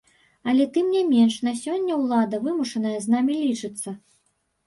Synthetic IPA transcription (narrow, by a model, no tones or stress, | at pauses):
ɐlʲɛt̪ɨmnʲamʲɛnʂnɐsʲɔnʲːɐwlˠad̪ɐvɨmuʂɐnɐjɐznamʲilʲit͡ʂɨt̪sːɐ